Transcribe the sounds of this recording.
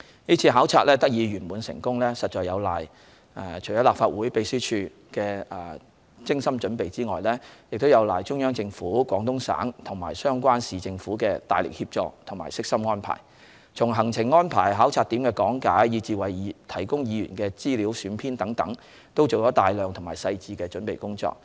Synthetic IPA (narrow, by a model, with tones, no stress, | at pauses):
niː˥t͡sʰiː˧ɦaː˨˥wt͡sʰaː˧t̚lɛː˥t̪ɐ˥k̚jiː˨˧ɥyː˨˩nmuː˨nsɪ̰˨˩ŋkʊ˥ŋlɛː˥sɐ˨t̚t͡ʃɔː˨jɐ˨˧wla̰ː˨˩j | ɛ˨t͡ʃʰjɔː˨˥laː˨˩faː˧t̚wuː˨˥jpe˧jsyː˥t͡ʃʰyː˧ | kɛː˧ɛː˨ | t͡sɪ˥ŋsɐ˥mt͡ʃɵ˨˥npe˨jt͡siː˥ŋɔː˨jlɛː˥jɪ˨k̚t̪o˥wjɐ˨˧wlaː˨jt͡ʃʊ˥ŋjœː˥ŋt͡sɪ˧ŋfuː˨˥kwɔː˨˥ŋt̪ʊ˥ŋsa̰ː˨˥ŋt̪ʰʊ˨˩ŋma̰ː˨jsœː˥ŋkʷaː˥nsiː˨t͡sɪ˧ŋfuː˨˥kɛː˧t̪a̰ː˨jlɪ̰˨k̚hiː˧p̚t͡ʃɔː˧k̚t̪ʰʊ˨˩ŋmaː˨˩jsɪ˥k̚sɐ˥mŋɔː˥npʰa̰ː˨˩j | t͡sʰʊ˨˩ŋɦɐ˨˩ŋt͡sʰɪ˨˩ŋːɔː˥npʰaː˨˩jɦaː˨˥wt͡sʰaː˧t̪iː˨˥mkɛː˧kɔː˨˥ŋkaː˨˥jji˨˧t͡siː˨wɐ˨˩jt̪ʰɐ˨˩jkʊ˥ŋjiː˨˧jyː˨˩nkɛː˧t͡siː˥li˨˧˥wsyː˨˧˥npʰiː˥nt̪ɐ˨˥ŋt̪ɐ˨˥ŋ | t̪o˥wt͡so˨wt͡ʃɔː˨˥t̪aː˨jlœː˨ŋt̪ʰʊ˨˩ŋmaː˨˩jsɐ˧jt͡siː˧kɛː˧t͡ʃɵ˨˥npe˨jkʊ˥ŋt͡sɔ̰ː˧k̚